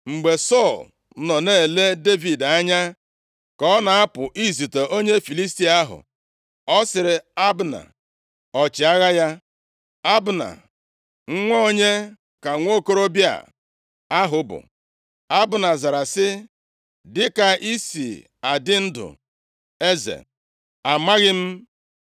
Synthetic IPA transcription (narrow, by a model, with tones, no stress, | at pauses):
ŋ͡m̩˨ɡ͡be˨sɔ˦˨l̩˦ | nɔ˨neː˦˨e˨le˦de˦vi˨da˦ɲa˦ | kɔ˦na˨a˦pʊ˨ʔi˦zi˨te˨ʔo˦ɲe˦fi˨li˦s̬ti˨a˦ɦʊ̰˨ | ɔ˦sɪ˨ɾɪ˨a˦bna̰˨ | ɔ˨t͡ʃɪ˨a˦ɣa˦ja˦ | a˦bʊ˨na̰˨ | ŋ̩˦ŋʷo˦o˦ɲe˦ | ka˨ŋʷo˦ko˦ɾo˦bja̰˨ | a˦ɦʊ˨bʊ̰˨ | a˦bʊ˨na˨za˨ɾa˨sɪ˦ | dɪ˦ka˨ʔi˦sḭ˨ | a˨dɪ˦n̩˦dʊ̰˨ | e˦zḛ˨ | a˨ma˦ɣɪ˦m̩˦